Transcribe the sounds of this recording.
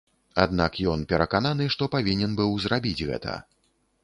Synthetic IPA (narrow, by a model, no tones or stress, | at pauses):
a̰d̪nakjɔnpʲɛɾɐkananɨʂt̪ɔpavʲinʲɛnbɨwzrabʲid͡zʲɣɛ̰t̪ʰɐ̰